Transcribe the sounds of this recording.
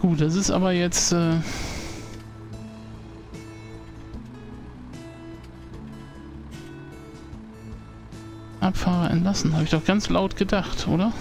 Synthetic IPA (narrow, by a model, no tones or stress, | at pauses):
ɡ̥uːt̚d̥asɪstʔa̰ːbɐjɛt͡stʔɛː | ʔapfaːʁɐɛ̰ntlasn̩haːbɪçd̥ɔχɡ̥ant͡slaʊtɡ̥ədaχtʔo̰ːɾɐ